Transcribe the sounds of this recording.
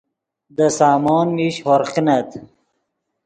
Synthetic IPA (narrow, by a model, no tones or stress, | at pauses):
d̪əsaːmoːnmiɕhoɾqnɐt̪